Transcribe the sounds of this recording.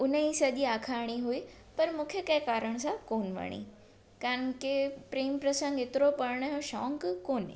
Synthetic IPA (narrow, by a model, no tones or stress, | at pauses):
ʊnəĩsɐʄiaːkʰaːɽ̃iɦui | pɐɾmũːkʰjekɐ̃kaːɾəɽ̃sãkoːnʋɐ̰ɽ̃ḭː | kãnkepɾiːmpɾɐsə̃ŋɡɪt̪ɪɾopɐɾɽ̃ɦõʃɔːŋkkoːnḛ